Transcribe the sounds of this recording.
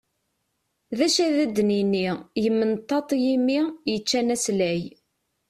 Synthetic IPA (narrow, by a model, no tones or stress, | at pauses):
ðæʃæðæd̪ːninːijəmːənt̪ˤːɑt̪ˤjimːijət͡ʃːænæslæj